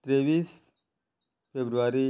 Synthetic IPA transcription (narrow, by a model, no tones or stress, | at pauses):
t̪ɾeʋiːs | fʰebɾuʋaɾi